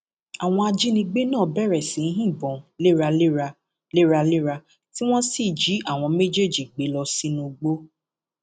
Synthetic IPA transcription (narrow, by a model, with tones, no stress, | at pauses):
a˨w̃ɔ̃˧a˧d͡ʒi˦nĩ˧ɡ͡be˦nãː˦˨bɛ˦˨ɾɛ˨sĩ˨˦ɦĩ˦˨bɔ̃˨le˦ɾa˧la˧ | le˦ɾa˧le˦ɾa˧ | ti˦w̃ɔ̃˦si˦˨d͡ʒi˨˦ʔa˦˨w̃ɔ̃˧me˦d͡ʒe˦˨d͡ʒi˨ɡ͡be˨˦lɔ˧si˦nũ˧ɡ͡bo˦